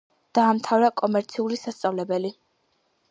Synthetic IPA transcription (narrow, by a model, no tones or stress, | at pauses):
d̪̥aːmt̪ʰavɾakʼɔmɛɾt̪sʰiulisast̪sʼavlɛbɛli